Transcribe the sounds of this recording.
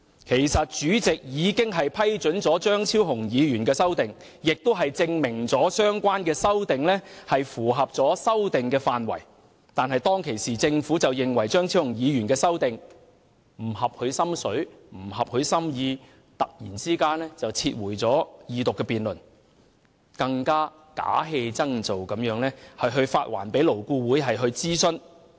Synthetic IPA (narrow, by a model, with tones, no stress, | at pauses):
kʰe˨˩jsɐ˨t̚t͡ʃyː˨˥t͡sɪ˨k̚jiː˨˧kɪ˥ŋɦɐ˨jpʰɐ˥jt͡ʃɵ˨˥nt͡sɔː˨˥t͡ʃœː˥ŋt͡sʰiː˥wɦʊ˨˩ŋjiː˨˧ɥyː˨˩nkɛː˧sɐ˥wt̪ɪ˨ŋ | jɪ˨k̚t̪o˥wɦɐ˨jt͡sɪ˧ŋmɪ˨˩ŋt͡sɔː˨˥sœː˥ŋkʷaː˥nkɛː˧sɐ˥wt̪ɪ˨ŋlɛː˥hɐ˨jfuː˨˩ɦɐ˨p̚t͡sɔː˨˥sɐ˥wt̪ɪ˨ŋkɛː˧faː˨nwɐ̰˨˩j | t̪aː˨nɦɐ˨jt̪ɔː˥ŋkʰe˨˩jsiː˨t͡sɪ˧ŋfu˨˥t͡sɐ˨wjɪ˨ŋwɐ˨˩jt͡ʃœː˥ŋt͡sʰiː˥whʊ˨˩ŋjiː˨˧jyː˨˩nkɛː˧sɐ˥wt̪ɪ˨ŋ | m̩˨˩ɦɐ˨p̚hɵ˨˧ɥsɐ˥msɵ˨˥ɥm̩˨˩hɐ˨p̚hɵ˨˧ɥsɐ˥mjiː˧ | t̪ɐ˨k̚jiː˨˩nt͡siː˥kaː˥nɛː˥t͡sɐ˨wt͡sʰiː˧t̚wuː˨˩jt͡sɔː˨˥jiː˨t̪ʊ˨kːɛː˧piː˨nlɵ˨˩n | kɐ˧ŋkaː˥ | ka̰ː˨˥ɦe˧jt͡sɐ˥ŋt͡so˨wkɐ˨˥mjœː˨˥ŋlɛː˥hɐ˨jɦɵ˧ɥfaː˧t̚wa̰ː˨˩npe˨˥jlo˨˩wkuː˧wuː˨˥jɦɐ˨jɦɵ˧ɥt͡siː˥sɵ˥n